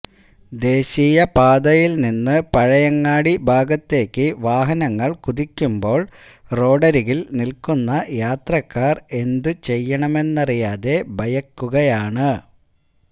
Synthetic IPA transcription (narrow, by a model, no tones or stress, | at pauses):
d̪e̞ːɕijɐpaːd̪ɐjilninːɨpɐɻɐjɐŋːaːɽibʱaːɡɐt̪ːe̞ːkːɨʋaːɦɐnɐŋːɐɭkuðikʲːumbo̞ːɭ | ro̞ːɖɐɾiɣilnilkunːɐjaːt̪rɐkːaːre̞nd̪ut͡ɕe̞jːɐɳɐme̞nːɐrijaːðe̞bʱɐjɐkːuɣɐjaːɳɨ